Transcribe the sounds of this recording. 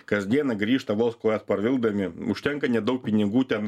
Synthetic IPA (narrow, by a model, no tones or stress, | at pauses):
kɐsd̪ʲiɛnɐɡɾʲiːʃt̪ɐʋoːlˠskoːjɛt̪pɐɾʋʲɪlˠd̪ɐmʲɪʊʃʲt̪ʲɛŋkɐnʲɛd̪ɐʊk̚pʲɪnʲɪɡuːt̪ʲɛn